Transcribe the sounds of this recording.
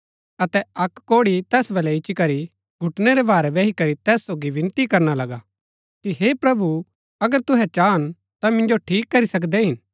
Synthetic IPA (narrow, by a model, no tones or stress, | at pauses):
ɐt̪ɛɐkːoːɽit̪ɛːsbɐlɛɪt͡ʃikɐɾi | ɡʱʊʈnɛɾɛbaːɾɛbɛːɦikɐɾit̪ɛːsːoːɡiʋɪ̃nt̪ikɐɾnalɐɡa | kiɦeːpɾɐbu | ɐɡəɾt̪ʊɦɛt͡ʃaːn | t̪amɪ̃nd͡ʒoʈʰiːkːɐɾisɐk̬d̪ɛɦɪn